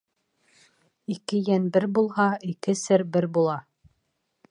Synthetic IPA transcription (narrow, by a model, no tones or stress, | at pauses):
ikɘjænbɘɾbulˠhɑikɘsɘɾbɘɾbulˠɑ